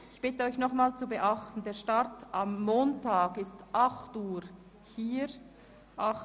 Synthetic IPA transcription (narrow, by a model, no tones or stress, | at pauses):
ɪçb̥ɪtəɔʏçnɔχmaːlst͡subəʔɑχtn̩deːɐʃtartamːoːntʰaːɡɪstʔɑχtuːɾ | hiːɾ | ʔɑ